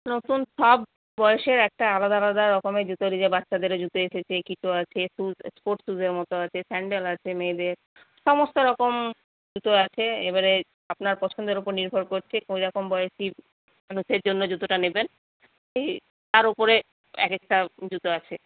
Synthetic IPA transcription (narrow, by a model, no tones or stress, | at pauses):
not̪unʃɔbː | ɔeʃeɾɛk̚ʈaalad̪aalad̪aɾɔkomed͡ʑut̪oɾid͡ʑebat̪ːʃad̪eɾod͡ʑut̪oeʃet͡ɕʰekit͡ɕʰuat͡ɕʰesuzspoɾʈsuzeɾmɔt̪oat͡ɕʰesɛɳɖelat͡ɕʰemejd̪eɾ | ʃɔmost̪oɾɔkom | d͡ʑut̪oat͡ɕʰeebaɾe | apnaɾpɔt͡ɕʰond̪eɾopoɾniɾbʱoɾkoɾt͡ɕʰekõiɾɔkombɔjeʃi | manuʃeɾd͡ʑonːod͡ʑut̪oʈaneben | ʃej | t̪aɾopoɾe | ɛ̰kekʈad͡ʑut̪oat͡ɕʰe